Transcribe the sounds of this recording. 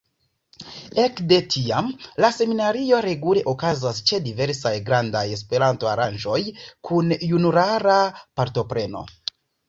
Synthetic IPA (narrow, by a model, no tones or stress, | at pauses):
e̞kde̞tʰiamlase̞minaɾio̞ɾe̞ɡule̞ʔokazast͡ʃe̞dive̞ɾsajɡɾandaje̞s̬pe̞ɾanto̞aɾanʒo̞jkʰunjunuɾaɾapaɾto̞pɾe̞no̞̰